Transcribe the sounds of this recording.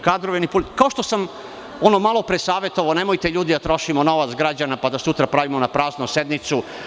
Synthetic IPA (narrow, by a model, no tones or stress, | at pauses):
kaːd̪ɾoʋenipulkaoʃt̪o̞sam | o̞nomalˠo̞pɾe̞saːʋet̪oʋaone̞mojt̪eʎuːd̪id̪at̪ɾo̞ʃimono̞ʋat̪sɡɾad͡ʑanapad̪asut̪ɾapɾaʋimonapɾaːznuse̞d̪mit̪su